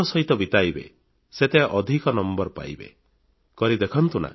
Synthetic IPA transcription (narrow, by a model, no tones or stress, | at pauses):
ɔsɔɦit̪ɔbit̪ajbḛ | set̪eaʔɔd̪ʱikɔnɔmbɔɾɔpa̰jbḛ | kɔɾid̪ekʰɔnt̪una̰